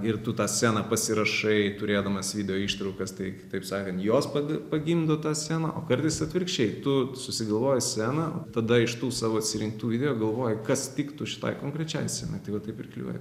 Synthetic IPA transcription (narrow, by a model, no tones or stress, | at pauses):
ɪrt̪ʊt̪ɑːsʲæːnɑpɐsʲɪɾɐʃɐɪt̪ʊɾʲeːd̪ɐmɐsʋʲɪd̪ʲɛjoːiːʃt̪ɾɐʊkɐst̪ɐɪkʲɪt̪ɐɪpsɑːkʲɐnjoːspɐɐpɐɡʲind̪oːt̪ɑːsʲæːnɐ̰ʔo̰ːkɐɾʲt̪ʲɪsɐt̪ʲʋʲɪrkʃʲt͡ʃʲɛɪt̪ʊsʊsʲɪɡɐlˠʋoːjɪsʲæːnɐo̰t̪ɐd̪ɐɪʃt̪uːsɑːʋoːɐt̪ʲsʲɪɾʲɪŋk̚t̪uːʋʲɪd̪ʲɛjoːɡɐlˠʋoːjɪkɐst̪ʲɪkt̪ʊʃʲɪ̥t̪ɐ̰ɪkoːŋkɾʲɛt͡ʃʲɛ̰jsʲɛnɐɪt̪ɐɪʋɐt̪ɐɪpɪrklʲḭo̰ːj